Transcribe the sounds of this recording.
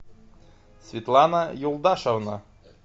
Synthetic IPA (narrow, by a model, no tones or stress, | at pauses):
sʲvʲit̪lˠɑnɑjulˠd̪ɑʃovnɤ